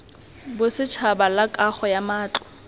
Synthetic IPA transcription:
bʊsɪt͡ʃʰabalakʼaχɔjamaːt͡ɬɔ̥

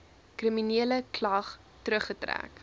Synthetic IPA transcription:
kriminiələklɐχ | tɾəχːətræ̰ːk

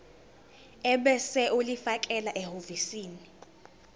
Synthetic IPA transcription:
ɛɓɛsɛʔulifakʼɛlaʔɛhovisiːni

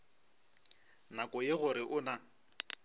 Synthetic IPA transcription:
nakʼɔjeɣʊɾɪʔʊna

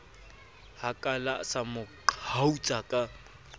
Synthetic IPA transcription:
hakʼalasamʊ | haut͡ʃʼakʼa

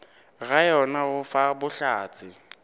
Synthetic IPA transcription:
ɣajɔnaɣʊfabʊɬaːt͡sʼɪ

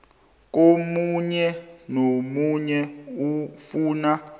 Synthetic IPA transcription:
k̬omuɲɛnomuɲɛufuːna

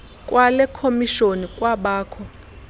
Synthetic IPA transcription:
kʼwʔalɛkʰomiʃonikʼwaɓaːkʰɔ

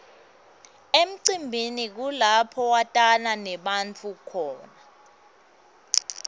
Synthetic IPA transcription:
em̩ǀimbʱinik̬ulapʰɔwatʼananɛɓant͡fʰukʰɔːna

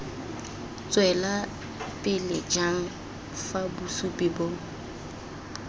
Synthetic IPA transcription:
t͡sʼwɛla | pʼɪlɪd͡ʒaŋ̩ | fabusupʼɪbo

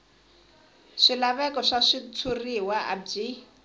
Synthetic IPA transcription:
ʂilaβɛkɔʂaʂit͡sʰuriwaa̰d͡ʒi

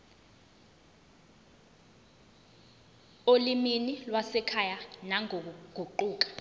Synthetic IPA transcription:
oliminilwasɛkʰajanaŋok̬uɡ̥ʱuǃuːk̬ḁ

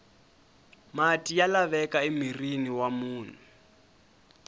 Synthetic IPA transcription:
matʼijalaβɛkʼaimiriniwamuːnɛ

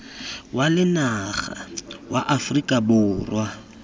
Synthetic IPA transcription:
walɪnaɣa̰waʔafrikʼabʊːrwa

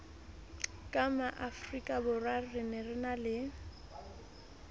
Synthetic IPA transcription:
kʼamaʔafrikʼabʊrwarɪnɪrɪnalɪ

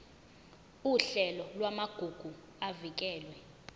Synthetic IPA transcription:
uɬɛlɔlwamaɡ̥ʱuɡ̥ʱu | avik̬ɛːlwɛ

